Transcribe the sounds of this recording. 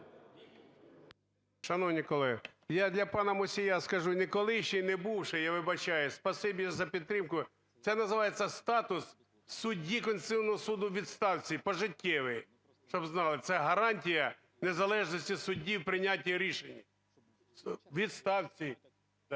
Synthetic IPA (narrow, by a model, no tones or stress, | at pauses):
ʃɐnɔwnʲikɔlˠɛjad̪lʲɐpɑnɐmʊsʲijaskɐʒunɪkɔlˠɪʃt͡ʃinebuwʃɪjaʋɪbɐt͡ʃɑjʊspɐsɪbʲizɐpʲid̪t̪ɾɪmkʊ | t̪sɛnɐzɪʋɑjet͡sʲːɐst̪ɑt̪ʊs | sʊdʲikɔnʲsʲɪwnɔɦɔsud̪ʊʋʲid̪st̪ɑwt͡sʲipɔʒɪtʲʰːɛʋɪj | ʃt͡ʃɔbznɑlˠɪt̪sɛɦɐɾɑnʲtʲijɐ | nezɐlˠɛʒnɔsʲtʲisʊdʲːiwpɾɪnʲat̬ʲːiɾʲiʃenʲːi | ʋʲid̪st̪ɑwt͡sʲi